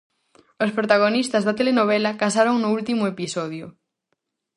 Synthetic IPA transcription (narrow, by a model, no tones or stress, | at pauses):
ospɾot̪aɣ̞onist̪ɐzðɐt̪elenoβ̞ɛlɐkasaɾoŋnʊult̪imʊepisɔðjʊ